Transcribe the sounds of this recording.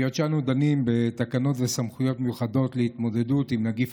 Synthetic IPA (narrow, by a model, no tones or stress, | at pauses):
jot͡ʃanud̪animbe̞t̪akano̞tvesamχujo̞tmejuχado̞t̪leit̪mo̞d̪e̞dut̪imnaɡif